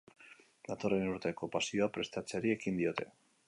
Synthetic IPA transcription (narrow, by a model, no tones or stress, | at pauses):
d̪at̪o̞renuɾt̪e̞ko̞pasio̞apɾe̞st̪at͡seɾie̞kind̪io̞t̪e̞̰